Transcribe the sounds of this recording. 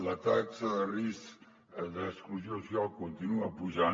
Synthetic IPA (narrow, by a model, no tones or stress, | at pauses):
lɐt̪aksɐðərisk | ðəskluzjosjalˠkont̪inuɐpuʒa